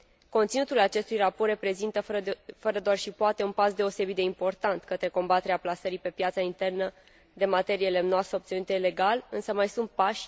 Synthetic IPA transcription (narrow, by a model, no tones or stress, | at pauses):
ko̞nt̪sinut̪ulat͡ʃe̞st̪ujraporːepɾe̞zint̪əffəɾəd̪oarʃipoat̪e̞unpasd̪e̞o̞se̞bit̪̚d̪e̞impo̞rt̪ant̪kət̪ɾe̞ko̞mbat̪e̞ɾeaplasəɾipe̞pjat̪saint̪e̞rnə | d̪e̞mat̪e̞ɾijele̞mnoasəop̚t̪inut̪e̞le̞ɡalɨnsəmajsunt̪̚paʃʲ